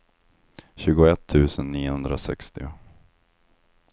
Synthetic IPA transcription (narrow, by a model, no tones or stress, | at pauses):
ɕʉ̟ːɡʊɛt̪ʰːʉ̟ːsənːiːʊhɵnd̪ɾasɛ̰kst̪ɪʊ